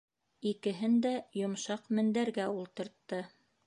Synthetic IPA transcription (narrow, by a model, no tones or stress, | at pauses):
ikɘ̆ɦɘnd̪æjŏmʃɑqmɘ̆nd̪æɾɡæulˠt̪ɤ̆ɾt̪ːɤ